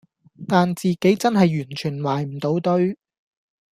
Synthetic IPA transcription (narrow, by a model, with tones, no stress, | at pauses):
t̪aː˨nt͡siː˨ke˨˥jt͡sɐ˥nɦɐ˨jːyː˨˩nt͡ʃʰyː˨˩nwaː˨jm̩˨˩t̪o˨˥wt̪ɵ˥ɥ